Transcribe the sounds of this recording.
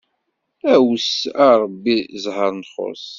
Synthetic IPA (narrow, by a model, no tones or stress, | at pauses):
æwsaɾˤəbːizɦəɾˤnχo̰s